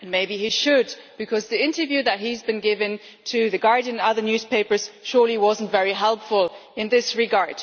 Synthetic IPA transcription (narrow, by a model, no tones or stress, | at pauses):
ɨ̃nmeɪbiiʃɨd̚b̥ɨkʰʌzðiɪ̃ntə˞vjʉðɨt̚ɦizbɨ̃nɡɪvɨ̃n | tʰɨðɨɡɑɹdɨ̃nʌðə˞njʉz̥pʰeɪpə˞z̥ʃʊɹlˠiwʌzn̩tvɛɹiɦɛlˠpfəlˠɨ̃nðɪsɹɨɡɑɹd̥